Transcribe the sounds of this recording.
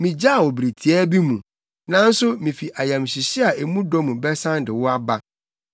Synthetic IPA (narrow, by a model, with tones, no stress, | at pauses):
mĩ˨d͡ʑa˦˨wɔ˨bɾi˨tʰi˨ɛ˦bi˦mũ˨ | nã˦n̩˦sʊ˦mĩ˨fi˨ʔa˨jã˨mɕi˨ɕɪ˦a˨ʔe˨mũ˦dɔ˦mũ˨bɛ˦sã˦ndɪ˨wʊ˦a˦ba˦